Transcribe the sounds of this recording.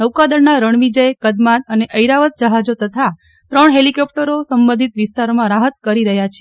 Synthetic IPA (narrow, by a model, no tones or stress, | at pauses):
nəʋkad̪əɽnaɾəɳ̃ʋid͡ʒəekəd̪mat̪əneʔəjɾaʋət̪̚d͡ʒəɦad͡ʒot̪ət̪ʰa | t̪ɾəɳɦelikɔp̚ʈəɾosəmbə̃nd̪ʱit̪ʋɪst̪aɾomãɾaɦət̪kəɾiɾəɦjat͡ʃʰee